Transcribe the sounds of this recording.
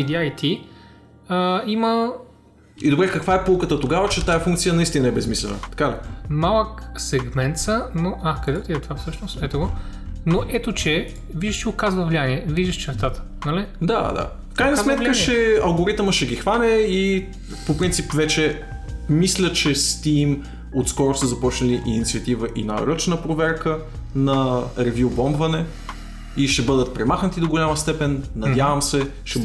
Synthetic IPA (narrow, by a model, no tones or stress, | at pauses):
id̪ʲiajt̪ʰi | əimə | ḭd̪obɾɛkəkvaɛpolˠkət̪ət̪oɡavət͡ʃɛt̪ajɐfuŋkt̪sijənɐist̪inəɐɛbɛsmislʲɛ̰nə̰t̪ɐ̥kalḭmalˠəksɛɡmɛnt̪sənoʔakɐd̪ɛt̪iɛt̪ovafsɤʃnost̪ɛt̪oɡonoʔɛt̪ot͡ʃɛ | viʒd̪ɐʃʃiokazvəvlianiɛviʒɐʃt͡ʃɛɾt̪at̪ə̥nɐlid̪a̰d̪a̰ | fkɾajnɐsmɛt̪kət͡ʃɛɐlˠɡoɾit̪məʃɛɡʲixvanɛi | popɾint̪ipvɛt͡ʃɛ | mislʲət͡ʃɛst̪im | ot̪skɔɾʊsəzɐpɔt͡ʃnɐliʔinit̪siət̪ivəʔina̰ɾɤt͡ʃnəpɾovɛɾkə | nɐɾɛvʲjubɔmbvɐnɛ | iʃɛbɤd̪ət̪̚pɾɛmaxnət̪id̪oɡolʲaməst̪ɛpɛnːɐdʲjavɐmsɛʃɛ